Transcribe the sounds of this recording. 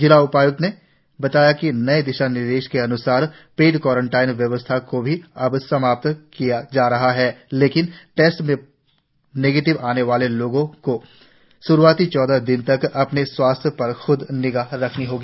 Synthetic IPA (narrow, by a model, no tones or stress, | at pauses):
d͡ʒɪlaʊpaːjʊkne | bɐt̪aːjakinɐed̪ɪʃanɪɾd̪eːʃkeɐnʊsaːɾ | peːʈkwɔːɾə̃ɳʈaːɪnʋjɐʋəst̪ʰakobʱiɐbsɐmaːp̚t̪kijad͡ʒaːɾɐɦaɦɛːleːkɪnʈɛːsʈmẽ | neːɡeːʈɪʋaːneʋaːleloːɡõko | ʃʊɾuaːt̪it͡ʃɔːd̪ad̪ɪnt̪ɐkɐpneswaːst̪ʰjpɐɾxʊd̪nɪɡaɾɐkʰniɦoːɡiː